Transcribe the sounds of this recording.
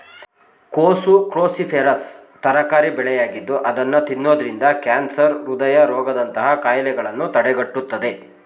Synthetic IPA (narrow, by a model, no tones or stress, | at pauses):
koːsukɾoːsipʰeːɾɐst̪ɐɾɐkaːɾibɛɭɛjaːɡid̪ːuʔɐd̪ɐnːut̪inːoːd̪ɐɾind̪ɐkaːnsɐɾɾud̪ɐjɐɾɔːɡɐd̪ɐnt̪ɐɦɐkaːjlɛɡɐɭɐnːut̪ɐɽɛɡɐʈːut̪ːɐd̪e̞